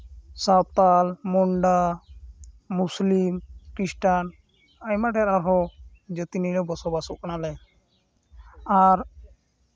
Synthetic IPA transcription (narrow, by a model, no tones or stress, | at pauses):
sawt̪almɔɳɖa | muslimkisʈan | ajmaʈɛɾaɾɦɔ | d͡ʒət̪inilɛbɔsɔbasukʼnalɛ | aɾ